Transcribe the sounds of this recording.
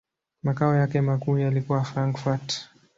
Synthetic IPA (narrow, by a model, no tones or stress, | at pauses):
makaɔjakɛmakuːjalikuwafɾaŋkfat